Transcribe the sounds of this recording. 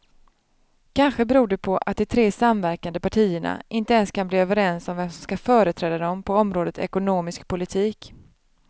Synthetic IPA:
kʰanɧəbɛɾuːɖɛpʰɔʔa̰t̪̚d̪ɪt̪ʰɾeːsamvæɾkand̪əpaʈʰiːəɳa̰ɪnt̪əɛnskʰanbliːøːvəɾɛnsɔmvɛmsɔmskafœːɾət̪ʰɾɛːd̪ad̪ɔmpʰɔɔmɾoːd̪ət̪ɛ̰kʊnoːmɪskpʰʊlɪt̪ʰiːk

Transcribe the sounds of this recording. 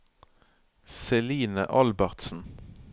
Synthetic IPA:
sɛliːnə̰ʔɑlbæʁt̪sn̩

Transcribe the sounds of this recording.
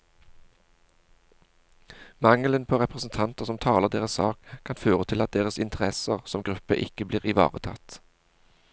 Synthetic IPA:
mɑŋlənpʰoːʁɛpʁəsn̩t̪ʰɑnt̪əʁsɔmt̪ʰɑːləʁd̪eːʁəssɑ̰ːkkʰɑnføːʁət̪ʰɪlɑt̪̚d̪eːʁəsɪnt̪ʰəʁɛsəʁsɔmɡʁʉpə̰ʔɪkəbliːʁɪʋɑ̰ːʁət̪ʰɑ̰t̪

